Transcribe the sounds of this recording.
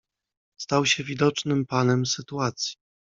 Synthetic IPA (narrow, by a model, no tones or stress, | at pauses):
st̪awɕɛvʲid̪ɔt͡ʂnɘmpanɛmsɘt̪uat̪sʲji̥